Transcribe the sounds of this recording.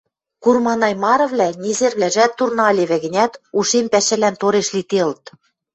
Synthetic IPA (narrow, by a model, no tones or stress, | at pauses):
kurmɑnɑjmɑɾɤ̆βlʲænʲezerβlʲæʒæt̪ːurnɑlʲeβɘ̆ɣɘ̆nʲæt̪uʃempæɕɘ̆lænt̪oɾeʃlʲit̪elt̪